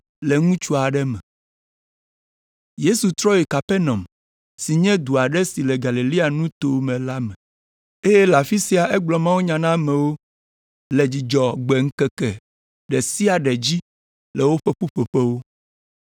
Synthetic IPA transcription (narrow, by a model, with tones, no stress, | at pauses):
lɛ˨ŋũ˦t͡ʃu˦a˨ɖɛ˦mɛ̰̃˨ | je˦su˨t̪ɾɔ˦je˨ka˨pɛ˦nɔ̃˨m | si˨ɲɛ̃˦d̪u˨a˨ɖɛ˦si˨lɛ˨ɡa˨li˨li˦a˨nũ˦t̪o˨mɛ̃˨la˦mɛ̃˨ | e˦jɛ˦la˨fi˦si˦a˨ʔɛ˦ɡ͡blɔ˨mã˦wu˦ɲã˨nã˦mɛ̃˨wo˦ | lɛ˨d͡ʑi˨d͡ʒɔ˨ɡ͡bɛ˨ŋ̩˦kɛ˨kɛ˨ | ɖɛ˨si˦a˨ɖɛ˨d͡ʑi˦ | lɛ˨wo˦ɸe˦ɸu˦ɸe˨ɸɛ˦wo˦